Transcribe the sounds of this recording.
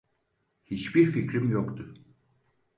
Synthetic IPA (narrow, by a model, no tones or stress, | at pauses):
hit͡ʃbiɾficɾimjokt̪ʰʊ